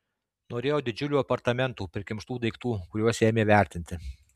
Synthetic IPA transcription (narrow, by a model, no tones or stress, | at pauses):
noːɾʲeːjoːd̪ʲɪd͡ʒʲʊlʲuːɐpɐɾt̪ɐmʲɛnt̪uːpʲɾʲɪkʲɪmʃt̪uːd̪ɐɪkt̪uːkʊɾʲuɔsʲeːmʲeːʋʲæˑɾʲt̪ʲɪnʲt̪ʲɪ